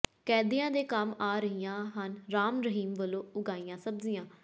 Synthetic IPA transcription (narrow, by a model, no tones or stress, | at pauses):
kɛːd̪ɪjãːd̪eːkəmaːɾəɦijãːɦənɾaːmɾəɦiːmʋəlõːʊɡaːiːjãːsəbzijãː